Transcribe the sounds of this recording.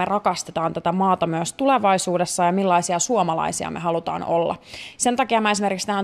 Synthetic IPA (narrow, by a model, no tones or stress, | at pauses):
erɑkɑst̪et̪ɑːnt̪æt̪æmɑːt̪ɑmyøst̪uleʋɑisuːdesːɑjɑmilːɑisiɑsuomɑlɑ̰isiɑ̰mʔe̞̰ɦɑlut̪ɑ̰ːno̰lːɑ̰se̞nt̪ɑkiɑmɑe̞simerkikst̪æːn